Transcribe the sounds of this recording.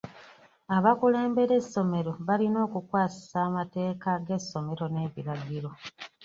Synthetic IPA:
aβakule̞ːmbe̞ɾe̞sːo̞me̞ɾo̞βalino̞ːkukwaːsi̥saːmate̞ːkaɡe̞sːo̞me̞ɾo̞ne̞ːβiɾaɡiɾo̞

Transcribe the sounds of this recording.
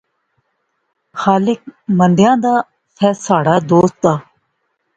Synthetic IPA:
xaːlɪk̚mənd̪ɪjãːd̪aː | sʰɛːsaːɽaːd̪oːst̪aː

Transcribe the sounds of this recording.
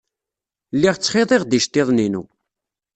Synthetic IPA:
lːiʁt͡sːχɪðˤeʁd̪iʃt̪ːeðˤninṵ

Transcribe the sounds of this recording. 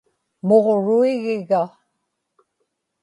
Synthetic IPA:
moʁɻuiɣɪɣa

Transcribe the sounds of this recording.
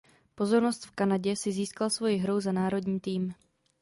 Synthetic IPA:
po̞zo̞ɾno̞st̪fkanaɟɛsɪziːskalsvo̞jɪɦɾo̞wzanaːɾo̞dɲiːt̪iːm

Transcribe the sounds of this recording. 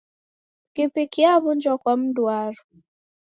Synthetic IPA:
kepekiaβʊn̩d͡ʒɔkɔm̩duaɾʊ

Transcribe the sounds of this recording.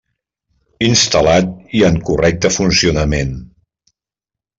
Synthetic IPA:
inst̪əlat̪̚iəŋkurɛk̚t̪əfunsiunəmen

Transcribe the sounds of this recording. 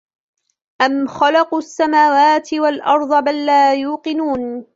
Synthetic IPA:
ʔamxɑlɑqsːamaːwaːt̪ɪwalʔɑɾˤd̪ˤɑbalːaːjuːqɨnuːn

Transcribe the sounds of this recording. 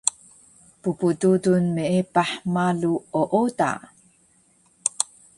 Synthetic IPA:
pupududunmeepaħmaluoʔoda̰

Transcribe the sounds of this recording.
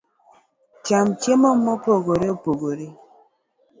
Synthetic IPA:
t͡ʃamt͡ʃemɔmːɔpoɡoɾeopoɡoɾe

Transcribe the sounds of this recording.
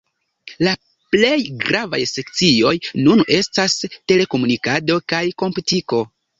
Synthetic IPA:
la | ple̞jɡɾʔava̰jse̞k̚t͡sio̞jnune̞staste̞le̞ko̞munikado̞kajko̞mputiko̞

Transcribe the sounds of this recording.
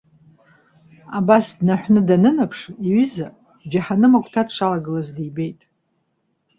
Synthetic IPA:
abasdnaħʷᶣnɨdanɨnapʰʂiɥʏza | d͡ʒaħanɨmakʷʰʼtʰadʂalaɡɨlazdijbe̞jtʼ

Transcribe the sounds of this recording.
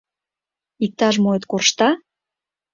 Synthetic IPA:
ik̚t̪ɑʃmoet̪korʃt̪ɑ

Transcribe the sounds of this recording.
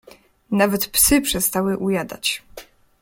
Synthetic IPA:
navɛt̪psɘpʂɛst̪awɘʔujad̪a̰t͡ɕ

